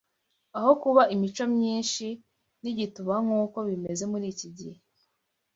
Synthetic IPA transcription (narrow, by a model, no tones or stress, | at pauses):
aho̞kuβaimit͡ʃomɲiːnʃi | niɟituβaŋuːko̞βime̞ze̞muɾiːciɟihe